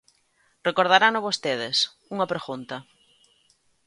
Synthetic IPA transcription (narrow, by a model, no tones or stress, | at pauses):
rekoɾð̞aɾanoβost̪eð̞ɪs | uŋɐpɾeɣunt̪ɐ